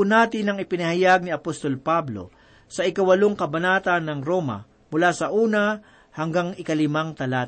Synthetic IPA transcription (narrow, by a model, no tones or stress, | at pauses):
unaːt̪ɪnɐŋɪpɪnɐhajaɡ̚nɪɐpost̪o̞lpablo̞̰ | sɐʔɪkɐwɐloŋkɐbɐnaːt̪ɐnːɐŋɾo̞mɐ̰ | mʊlaːsɐʔuːnɐ | hɐŋɡaŋɪkɐlɪmaŋt̪ɐlaːt̪